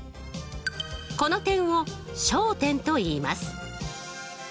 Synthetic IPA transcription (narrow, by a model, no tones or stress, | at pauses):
ko̞not̪ẽ̞ɰ̃o̞ | ɕoːt̪ẽ̞nt̪o̞iːma̰sɨ̥